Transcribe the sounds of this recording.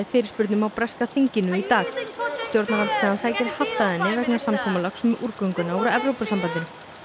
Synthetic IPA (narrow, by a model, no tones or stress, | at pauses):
ɪfɪːɾɪɾspʏɾt̪nʏmawpɾɛskaθiɲcɪnʏit̪aːxst̪jowɾt̪navaɾt̪sk̪aːðansaːjcɪɾhaft̪aðɛnːɪvɛknasamkʰɔːmalaksɛmʔuɾkœŋkʏnauɾɛvɾowpasampant̪ɪnʏ